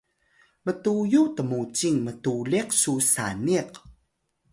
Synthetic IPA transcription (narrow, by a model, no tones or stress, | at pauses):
mətujutəmut͡ɕiŋmətuliqsusa̰niq